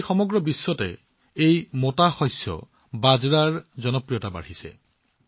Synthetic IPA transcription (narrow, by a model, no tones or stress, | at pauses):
xɔmɔɡɹɔbisːɔtɛ | ejmotaxɔjsjɔ̰ | bazɹaɹzɔnɔpɹijɔtaba̰ɹ̤isɛ̰